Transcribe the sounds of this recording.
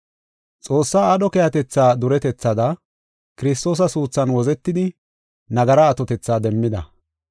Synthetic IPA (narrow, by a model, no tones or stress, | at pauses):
t͡sʼo̞ːsːaːɐɗɔkɛjɐt̪ɛt͡sːaːd̪ʊɾɛt̪ɛt͡sːɐd̪ɐ | kɪɾɪs̬t̪o̞ːs̬ɐsuːt͡sːɐnwɔzɛt̪ːɪd̪ɪ | nɐɡɐɾɐːt̪ɔt̪ɛt͡sːaːd̪ɛmːɪd̪ɐ̰